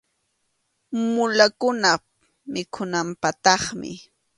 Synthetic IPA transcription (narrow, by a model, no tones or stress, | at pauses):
mʊlakʊna | mɪkʰʊnampat̪ɑχmɪ̰